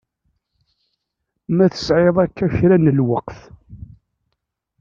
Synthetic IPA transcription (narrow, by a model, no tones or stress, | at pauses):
mæθə̥sʕeðˤækːæçɾænəlwəqθ